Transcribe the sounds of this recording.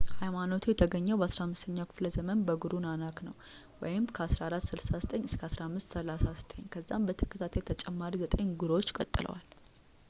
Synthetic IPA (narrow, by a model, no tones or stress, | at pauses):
hajmanot̪ʰujɛt̪ʰəɡəɲːəwbəasɾahamːɨst̪ʰəɲːawkʰɨ̥fləzəmənbəɡuɾunanaknəw | wɔ̰jɪmkʰəasɾaaɾat̪ːsɨlsazət̪ʼəɲːɨskʰəasɾahmːɨst̪səlasazət̪ʰʼəɲːkʰəzːambət̪ʰɨ̥kʰːɨt̪ʰat̪ʰjt̪ʰət͡ʃʼɛmːaɾizət̪ʼəɲɡuɾwot͡ʃːɪ̥kʼə̰t̪ʼːɨlə̰wa̰l